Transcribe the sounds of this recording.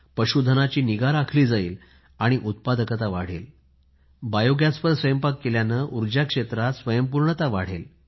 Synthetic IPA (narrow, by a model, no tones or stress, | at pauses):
pəɕud̪ʱənat͡ɕiːniɡaɾakʰliːd͡zaiːl | aɽ̃iʔut̪̚pad̪əkat̪aʋa̰ɽ̤ḛl | bajoɡjaspəɾsʋəjəmpakːeljanəːʔuɾd͡ʑjakʂet̪ɾasʋəjəmpuɾɳət̪aʋaɽ̤ḛl